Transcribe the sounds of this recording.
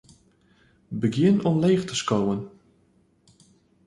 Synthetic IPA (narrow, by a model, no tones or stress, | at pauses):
bəɡjɪnɔmleːxtəskowən